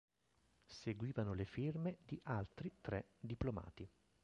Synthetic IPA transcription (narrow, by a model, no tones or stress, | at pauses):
seɡwiːvanolefirmed̪iʔalt̪ɾit̪ɾɛd̪iploma̰ːt̪i